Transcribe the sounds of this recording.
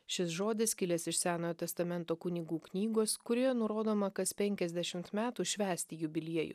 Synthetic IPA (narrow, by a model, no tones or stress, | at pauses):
ʃʲɪsʒoːd̪ʲɪskʲɪlʲɛsɪʃsʲæːnoːjot̪ʲɛst̪ɐmʲɛnt̪oːkʊnʲɪɡuːknʲiːɡoːskʊɾʲiɛnʊɾoːd̪oːmɐkɐspʲɛŋʲkʲɛzʲd̪ʲɛʃʲɪmt̪mʲæːt̪uːʃʲʋʲæːsʲt̪ʲɪjʊbʲɪlʲiɛjʊ̰